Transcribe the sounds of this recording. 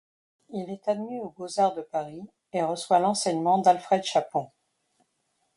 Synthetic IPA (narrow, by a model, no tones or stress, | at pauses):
ilɛt̪ad̪miobozaʁd̪əpaʁi | eʁəswalɑ̃sɛɲmɑ̃d̪alfχɛd̪ʃapɔ̃